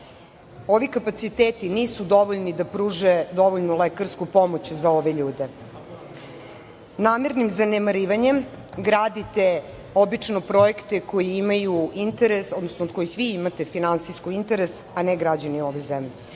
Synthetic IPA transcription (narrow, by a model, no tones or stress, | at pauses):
o̞ʋikapat̪sit̪eːt̪iniːsud̪o̞ʋoʎnid̪apɾuːʒed̪o̞ʋoʎnulekaɾskupo̞mo̞t͡ɕzao̞ʋe̞ʎuːd̪e̞ | naːmeɾnimzanemaɾiːʋaɲem | ɡɾaːd̪it̪e | o̞bit͡ʂno̞pɾo̞jekt̪eko̞jiimajuint̪eɾeso̞d̪nosnoːd̪̚ko̞jixʋiimat̪e̞finansijskuint̪eɾes | aneɡɾad͡ʑanio̞ʋezemʎʲe